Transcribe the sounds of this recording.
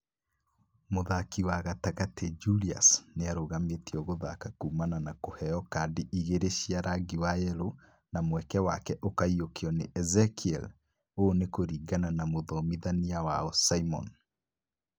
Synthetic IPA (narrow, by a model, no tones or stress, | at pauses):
moðakiwaɣataɣated͡ʒulia̰sneaɾoɣametiɔɣoðakakuːmananakohɛɔkadiʔiɣeɾeʃiaɾaɡiwajɛɾo | namwɛkɛwakɛʔokaiokeɔneʔɛzɛkiɛl | oːnekoɾiːɡananamoðɔmiðaniawaɔsaimɔ̰n